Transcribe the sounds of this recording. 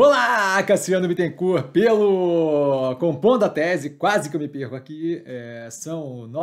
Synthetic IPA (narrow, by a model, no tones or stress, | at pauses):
olaakɐsiɐ̃nʊmit̪ẽkuɾpelʊ | kõpõd̪ɐt̪ɛzɪkwazɪkɪewmɪpeɾkʊakiɛsɐ̃w̃nɔ